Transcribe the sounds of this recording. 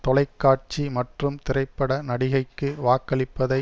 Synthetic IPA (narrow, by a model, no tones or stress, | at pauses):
t̪ɔlɐɪkːaːʈ̚t͡ʃimɐʈrɯmt̪ɪrɐɪpːɐɽɐnɐɽɪɣɐɪkːɯʋaːkɐɭɪpːɐðɐɪ